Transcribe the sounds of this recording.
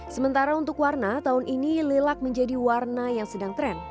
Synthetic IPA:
səmənt̪aɾaunt̪ʊkwarnat̪aʊnʔinilelak̚məɲd͡ʒadiwarnajaŋsədaŋt̪ɾɛn

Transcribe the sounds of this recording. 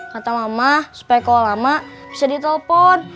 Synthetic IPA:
kat̪amamasu̥pajakowalamab̥isadit̪ɛləpɔn

